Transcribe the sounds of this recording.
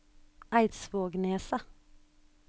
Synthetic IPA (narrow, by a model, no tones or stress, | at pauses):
ʔæɪt̪sʋoːɡneːsə